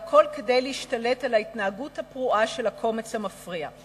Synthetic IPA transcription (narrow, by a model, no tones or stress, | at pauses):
akʰo̞lke̞dejleiʃtale̞talaitnaaɡuthapʁuʔaʃe̞lhakʰo̞me̞t͡shamafʁia̰